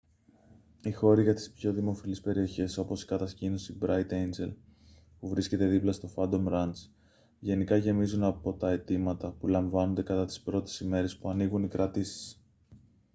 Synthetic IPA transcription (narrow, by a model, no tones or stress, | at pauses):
ixo̞ɾiʝɐt̪i̥spço̞ðimo̞filispe̞ɾio̞çe̞so̞po̞si̥kɐt̪ɐscino̞sibɾɐit̪end͡ze̞l | puvɾisce̞t̪e̞ðiplɐst̪o̞fɐnd̪o̞mɾɐnt͡s | ʝe̞nikɐʝe̞mizunɐpo̞t̪ɐe̞t̪imɐt̪ɐpulɐɱvɐno̞nd̪e̞kɐt̪ɐt̪i̥spɾo̞t̪e̥sime̞ɾe̞spuɐniɣunikɾɐt̪isi̥s